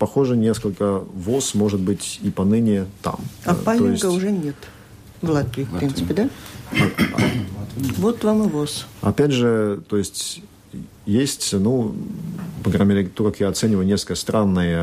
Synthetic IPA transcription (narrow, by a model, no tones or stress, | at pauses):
pɐxo̞ʐɨnʲeskəlʲkəvosmo̞ʐɨt̪̚bɨtʲipɐnɨnʲɪt̪a̰mapalʲɪnɡəʊʐɛnʲet̪ | vlˠat̪vʲiːfpɾinsɨpʲɪd̪a | vot̪ːvamɨvosɐ̰pʲædʲʐɨt̪ojɪsʲtʲ | jesʲtʲnu | pɐɡɾamʲɪɾʲet̪okakjaɐt̪sɛnʲɪvəjʊnʲeskəjəst̪ɾanːɨjə